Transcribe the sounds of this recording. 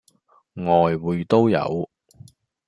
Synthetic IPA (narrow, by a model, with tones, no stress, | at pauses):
ŋɔː˨jwuː˨˧jt̪o˥wjɐ̰˨˧w